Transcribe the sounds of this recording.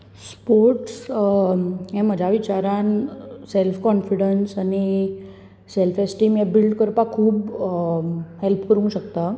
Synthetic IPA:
spoɾʈs | ɦɛ̃m̤əd͡ʑʱaʋit͡ɕaɾanselfkɔnfiɽənsani | selfesʈiːmjebilɖkəɾpakʰuːb | ɦelpkəɾũɕəkt̪a

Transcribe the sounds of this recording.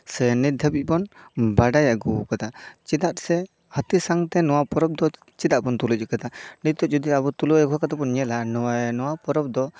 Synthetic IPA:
sɛnid̪ʱəbiˀbɔnbaɖajaʔɡukat̪at͡ʃid̪at̪̚sɛ | hət̪isaŋt̪ɛnɔwapɔɾɔp̚d̪ɔ | t͡ʃid̪aʔ̚bɔnt̪ulut͡ʃikat̪aɖit̪ɔʔd͡ʒɔd̪iabɔt̪ulɔɛɡɔakat̪apɔnɲɛlanɔwaɛnɔwapɔɾɔp̚d̪ɔ

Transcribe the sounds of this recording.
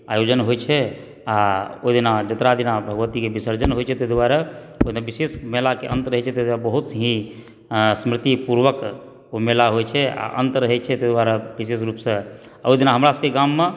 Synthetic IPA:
ajod͡ʒənɦojt͡ʃʰɛ | aoid̪inad͡ʒət̪ɾad̪inabʱəɡʋət̪ikebisəɾd͡ʒənɦojt͡ʃʰɛt̪ed̪waɾa | od̪inabisesmelakḛʔənt̪ɾəɦɛt͡ʃʰɛt̪ed̪abəɦut̪ɦĩ | smɾit̪ipuɾʋək | omelaɦojt͡ʃʰɛa̰ʔə̰nt̪ɾəɦɛt͡ʃʰɛt̪ed̪waɾabisesɾupsə̃oid̪inaɦəmɾasə̃keɡamːe

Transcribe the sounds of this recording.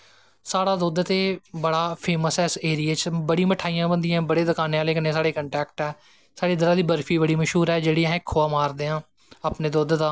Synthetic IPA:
saːɽaːd̪oːd̪t̪eːbəɽaːpʰeːməsɛːɪseːɾijaːt͡ʃbəɽiːməʈʰaːijãːbənd̪ijãːbəɽeːd̪əkaːneːaːleːkəneːsaːɽeːkəɳʈɛːkʈɛː | saːɽeːd̪ɪɾaːd̪iːbəɾfʰiːbəɽiːməʃɦuːɾɛːd͡ʒeːɽiːãɪkʰːoːaːmaːɾd̪eːãː | aːpneːd̪oːd̪d̪aː

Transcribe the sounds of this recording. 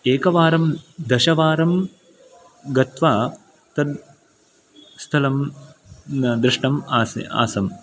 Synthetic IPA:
eːkɐʋaːɾɐmd̪ɐʃɐʋaːɾɐm | ɡɐt̪ʋaː | t̪ɐd̪ | st̪ʰɐlɐm | d̪ɾɪʂʈɐmaːsa̰ːsɐm

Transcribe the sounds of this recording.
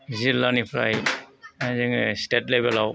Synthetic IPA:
zilːanipʰɾa̰jazaŋstetlebelaw

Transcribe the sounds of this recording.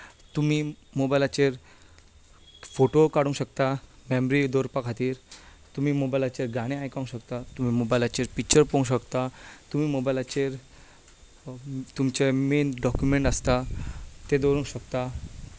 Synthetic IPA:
t̪umi | mobajlat͡ɕeɾ | foʈokaɽũŋkɕəkt̪amemɾid̪oɾpakʰat̪iːɾ | t̪umiːmobajlat͡ɕeɾɡaɽ̃eajkaũŋkɕəkt̪at̪um̤iːmobajlat͡ɕeɾpik̚t͡ɕəɾpõũɕ̬əkt̪at̪umiːmobajlat͡ɕeɾ | t̪umt͡ɕemenɖɔkjumẽɳʈəst̪at̪ed̪oɾũŋkɕəkt̪a

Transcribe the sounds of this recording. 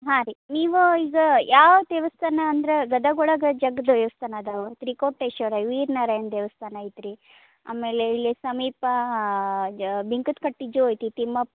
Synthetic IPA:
ɦaːɾiniːʋuiɡɐjaːʋt̪eːʋɐst̪ʰaːnɐːnd̪ɾeɡɐd̪ɐɡɔɭɐɡɐd͡ʒɐɡd̪ɐʋeʋɐst̪ʰanaːd̪aʋot̪ɾikoːʈːeʃɐːɾaːjʋiːɾnaːɾɐjɐnd̪eːʋɐst̪ʰaːnɐit̪ɾi | a̰ːmeːleilːisɐmiːpɐ | bʱiŋkut̪kɐʈːid͡ʒuoːjt̪it̪imːɐp̚

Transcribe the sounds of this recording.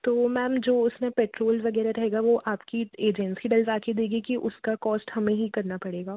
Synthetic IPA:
t̪oːmɛ̃ːmd͡ʒoːʊsmẽpeːʈɾoːlʋɐɡɛːɾaɾɐɦeːɡaʋoʔaːpkieːd͡ʒɛ̃nsiɖɐlzaːked̪eːɡikiʔʊskakɔːsʈhɐmẽɦikɐɾnapɐɽeːɡaː

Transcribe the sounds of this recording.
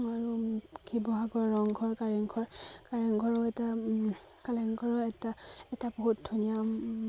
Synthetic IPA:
aɹukʰibɔɦaɡɔɹːɔŋɡʱɔɹkaɹɛŋɡʰʱɔɹkaɹɛŋɡʱɔɹɔɛta | kalɛŋɡʱɔɹɔɛtaɛtaboɦut̚dʱunija

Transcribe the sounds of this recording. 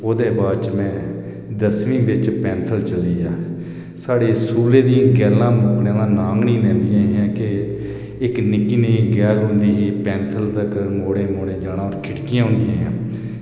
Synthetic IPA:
oːd̪eːbaːd̪t͡ʃmɛ̃ː | d̪əsʋĩːbɪt͡ʃpɛ̃ːnt̪ʰəlt͡ʃəliːjaː | saːɽeːsuːlẽːd̪ijãːɡɛːlãːmʊːknãːnãːnaːŋɡnĩːlɛ̃ːnd̪ɪjãːãːkɪ | ɪknɪkːiːneːɡɛːlɦõːnd̪iːɦiːpɛ̃ːnt̪ʰəlt̪əkəmoːɽẽːmoːɽẽːd͡ʒaːɽãːɔːɾkʰɪʈkɪjãːɦʊ̃ːnd̪ijãːɦã̰ː

